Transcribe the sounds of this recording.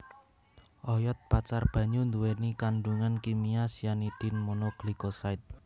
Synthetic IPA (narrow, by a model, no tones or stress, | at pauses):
ʔɔjɔt̪̚pat͡ʃarb̥ä̤ɲund̪uwenikaɳɖuŋankimiasijaniɖ̪̥i̤nmonoɡ̥likosaɪt̪̚